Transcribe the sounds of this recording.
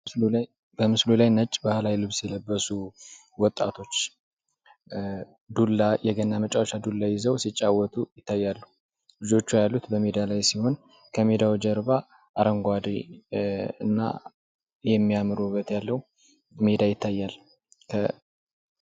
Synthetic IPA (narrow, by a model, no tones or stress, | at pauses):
bəmɨslulajnət͡ʃʼːbahlajlɨβsjɛləbːəsu | wɔt̪ʼːa̰t̪ʰo̞t͡ʃː | d̪ulːajɛɡənːamət͡ʃʼawʃad̪ulːajɪzəwsit͡ʃʼːawːɔt̪ʰʼujɪt̪ʰːajːalːəhu | lɨd͡ʒo̞t͡ʃːujalːut̪bəmed̪alajsiho̞n | kʰəmed̪awd͡ʒəɾba | ʔaɾəŋɡʷad̪i | ɨnːa̰ | jɛmːijamɨɾubːət̪jalːəhu | med̪ajɪt̪ʰːajːal | kʰə